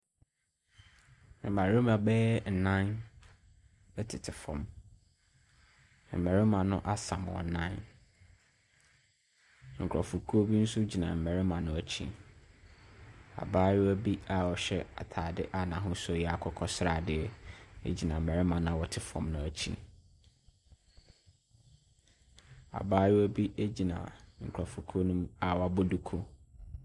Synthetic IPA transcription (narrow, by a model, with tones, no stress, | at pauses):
m̩˨mæ˨ɾɪ˦mã˨bɛː˦ɛ˦n̩˨nã˦n | ɛ˦tʰɪ˨tʰɪ˨fɔ̰̃˨m˨ | m̩˨mæ˨ɾɪ˦mã˨nʊ̰̃˦ʔa˦sã̰˨mwɔ̰˨nã˦n˦ | ŋ̩˨kʰɔ˨fu˨kʰu˦o˦bi˦n̩˦sʊ˦d͡ʑi˨nã̰˨m̩˨mɛ˨ɾɪ˦mã˨nʊ̃˨æ˨t͡ɕʰḭ̃˦ | a̰˨baː˦jɪ˦æ˦bi˦a˦˨wɔ˨ɕɛ˦a˨tʰaː˨dɪ˦ʔa˦nã˨ɦʊ̃˦sʊ˦˨jɛ˦a˨kʰɔ˦kʰɔ˦sɾa˨dɪ˦ɛ˦ḛ˦d͡ʑi˨nã˨m̩˨mɛ˨ɾɪ˦mã˨nã˨wɔ˨tʰɪ˦fɔ̰̃˨mnʊ̃˨æ˨t͡ɕʰḭ˦ | a̰˨baː˦jɪ˦æ˦bi˦e˦d͡ʑi˨nã̰˨ŋ̩˨kʰɾɔ˨fu˨kʰu˦o˦nũ˦ma˦˨wɔ˨a˨bo˦du˨kʰo˦